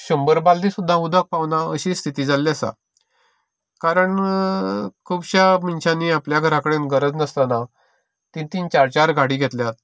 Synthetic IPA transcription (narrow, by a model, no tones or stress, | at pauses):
ɕombəɾbald̪ĩsud̪ʱːãud̪ʱək̚paʋnaəɕiːst̪ʰit̪iːd͡zalːjasa̰ | kaɾəɳ | kʰubɕamint͡ɕaniapljaɡʱəɾãkəɽenɡəɾəd͡znəst̪ana | t̪ĩt̪int͡ɕaɾt͡ɕaɾɡʱaɽiːɡʱet̪ljat̪̚